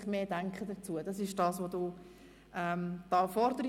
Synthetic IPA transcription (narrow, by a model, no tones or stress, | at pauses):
χmeːdæŋkχədət͡suəd̥ɑsɪʃd̥ɑːsʋoduː | ɛmd̥ɑːfɔɾdəɾi